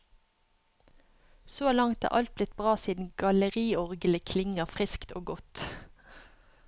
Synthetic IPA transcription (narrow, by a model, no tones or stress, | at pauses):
soːlɑŋt̪æ̰ːʁʔɑ̰lt̪̚blɪt̪̚bʁɑːsiːd̪n̩ɡ̥ɑləʁiːɔʁɡəlɪkʰlɪŋəʁfʁɪskt̪o̰ːɡɔt̪